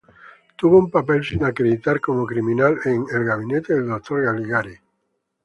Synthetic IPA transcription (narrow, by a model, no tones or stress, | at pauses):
t̪uβoumpapɛlsinakɾeðit̪aɾkomokɾimĩnaleŋelɡaβinet̪eðeld̪ot̪ʰːoɾɣaliɣaɾi